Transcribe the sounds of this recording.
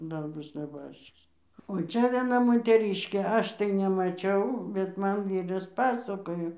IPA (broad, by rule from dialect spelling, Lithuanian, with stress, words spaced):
ˈdɐr ˈbʊs nʲɛˈbɑːʃʲt͡ʃʲɪs oː ˈt͡ʃʲɛ ʋʲiɛˈnɐ moːtʲɛˈrʲiːʃʲkʲeː ˈɐʃ tɐɪ nʲɛmɐˈt͡ʃʲɛʊ bʲɛt ˈmɐn ˈʋʲiːrɐs ˈpɑːsɐkoːjoː